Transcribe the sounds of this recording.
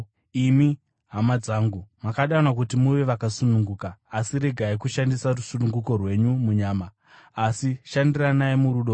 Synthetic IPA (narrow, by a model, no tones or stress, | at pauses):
imi | ɦamad͡zaːŋɡumakaɗanwakutimuʋe̞ʋakasunuŋɡuːkaːsiɾe̞ɡʱaikuʃandisarusunuŋɡuko̞rwe̞ɲumuɲaːmaː | siʃandiranaemuɾuɗo